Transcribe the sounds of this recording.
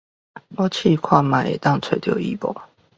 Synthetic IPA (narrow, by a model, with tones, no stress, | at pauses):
ɔ˥t͡ɕʰi˥˨kʰwa˥˨ma˨˦ʔḛ˨˩t̪ɑ˥˨ŋt͡sʰwe˨˦t̪jo˥˨ḭ˥˦˨pɔ̰˨˩˦